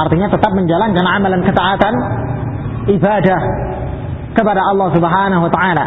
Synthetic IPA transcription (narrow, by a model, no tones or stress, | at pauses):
art̪iɲat̪ət̪ap̚məɲd͡ʒalankanʕamalankət̪aʔat̪an | ʔibadah | kəpadaɑlːɑhsubəɦanaɦuwat̪aʕala